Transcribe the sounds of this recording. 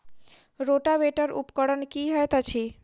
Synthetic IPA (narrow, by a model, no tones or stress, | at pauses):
ɾoʈabeʈəɾṵpkəɽənkiɦəjt̪at͡ʃʰi